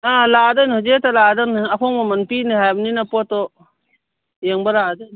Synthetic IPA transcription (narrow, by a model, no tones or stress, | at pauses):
aladɯnhɯd͡ʒetaladɯnakʰɔŋmamanpinihajbninapɔtɔ | jeŋbaladɯn